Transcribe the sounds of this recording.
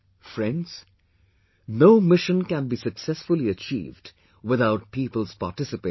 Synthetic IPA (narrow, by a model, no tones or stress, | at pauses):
fɹɛ̃ndz̥ | noʊmɪʃə̃nkæ̃nbisəksɛsfʊliət͡ʃḭːvd | wɪðaʊt̚piːpəlˠz̥pa̰ːtɪsɨpe